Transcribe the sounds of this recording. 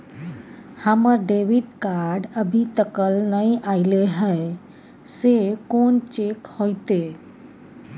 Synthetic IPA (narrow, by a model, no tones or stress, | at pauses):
həməɾɖeʋiɖkaɾɖəbʱit̪əkəlnəjaɪleɦəe | sekont͡ʃekhojt̪e